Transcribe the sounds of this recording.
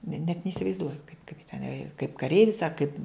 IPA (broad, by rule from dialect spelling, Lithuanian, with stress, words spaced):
nʲɛ nʲɛt nʲɛɪsʲɪʋɐɪzˈduɔjʊ kɐɪp tʲɛˈnɐɪ ɐ kɐɪp kɐˈrʲɛɪʋʲɪs ɐ kɐɪp